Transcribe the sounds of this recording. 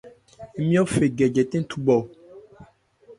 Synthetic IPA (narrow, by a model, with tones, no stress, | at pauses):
e˦mĩ˦ɔ˦fe˨ɡɛ˨d͡ʒɛ˨t̪ẽ˦n˦t̪ʰu˦bɔ˨